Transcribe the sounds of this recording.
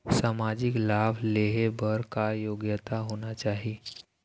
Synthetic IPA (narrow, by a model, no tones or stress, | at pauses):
samad͡ʒiklableɦebəɾkajoɡjət̪aɦonat͡ʃaːɦi